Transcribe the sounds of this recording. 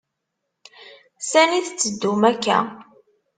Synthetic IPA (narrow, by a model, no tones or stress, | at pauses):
sæniθt͡sːəd̪ːumækːæ̰